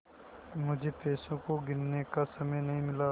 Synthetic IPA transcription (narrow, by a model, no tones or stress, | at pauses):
mʊd͡ʒʱepeːsõkoɡɪnnekasɐməjnɐɦĩmɪlaː